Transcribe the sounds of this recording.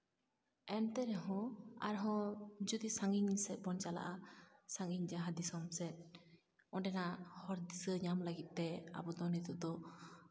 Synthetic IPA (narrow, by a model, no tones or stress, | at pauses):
ɛnt̪ɛɾɛɦɔ̃a̰ɾɦɔ̃d͡ʒɔd̪isaŋɡiŋsɛt̪̚bɔnt͡ʃala̰ʔasaŋɡiŋd͡ʒaɦad̪isɔmsɛt̪̚ | ɔɖɛnahɔɾd̪isəɲamlaɡit̪̚ˀt̪ːɛa̰bɔd̪ɔnɛt̪ud̪ɔ